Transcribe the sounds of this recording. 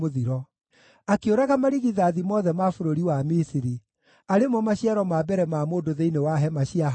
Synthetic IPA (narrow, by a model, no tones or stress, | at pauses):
oðiɾɔ | akeoɾaɣamaɾiɣiðaðimɔːðɛmafoɾoɾiwamisiɾi | aɾemɔmaɕiaɾɔmabɛɾɛmaːmoːdoðeinewaɦɛmaɕiaɦ